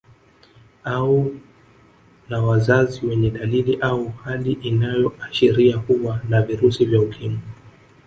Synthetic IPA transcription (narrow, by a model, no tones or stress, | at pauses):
au | nawazaziwɛɲɛɗaliliʔauhaliʔinajɔaʃɛɾiakuɓwanaviɾusivjaukʰimu